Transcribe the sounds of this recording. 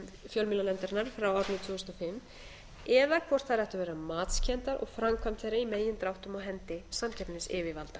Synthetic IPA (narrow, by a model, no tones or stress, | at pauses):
fjœlmɪlalɛnt̪aɾnaɾ̥fɾawɔɾt̪nʏt̪ʰvʏːʏsnɔfɪmː | ɛðakʰvɔr̥t̪θaɾɛht̪avɛːɾamaːt̪scʰɛnt̪aɾɔ̰ɣfɾamkʰvamt̪θejɾaimeːjɪnt̪ɾawht̪ʏmawɦɛnt̪ɪsamcʰɛpnɪnɪsɪːvɪvalt̪a